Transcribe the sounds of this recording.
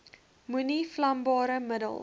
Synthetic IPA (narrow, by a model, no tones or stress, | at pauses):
muniflɐmbɑːɾəmədə̰lˠ